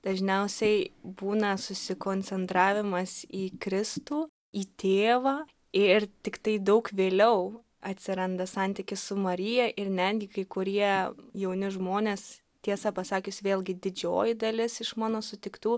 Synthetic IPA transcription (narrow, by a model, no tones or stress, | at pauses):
d̪̥ɐʒʲnʲɛʊsʲɛɪbuːnɐsʊsʲɪkoːnʲt͡sʲɛnt̪ɾɑːʋʲɪmɐsiːkɾʲɪst̪uː | iːt̪ʲeːʋɑː | ɪrt̪ʲɪkt̪ɐɪd̪ɐʊkʋʲeːlʲɛʊ | ɐt̪ʲsʲɪɾɐnd̪ɐsɐnʲt̪ʲɪkʲɪssʊmɐɾʲɪjɛʔɪrnʲæd̪ʲɡʲɪkɐɪkʊɾʲiɛjɛʊnʲɪʒmoːnʲeːs | t̪ʲiɛsɐpɐsɑːkʲʊsʲʋʲeːlˠʲɡʲɪd̪ʲɪd͡ʒʲo̰ːjɪd̪ɐlʲɪsɪʃmɑːnoːsʊt̪ʲɪkt̪uː